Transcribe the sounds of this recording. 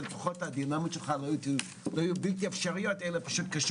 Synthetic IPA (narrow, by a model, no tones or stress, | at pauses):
betu̥χot̪ad̪inamaʃelχalot | lojibilt̪iafʃaʁijot̪elapaʃut̪̚kaʃ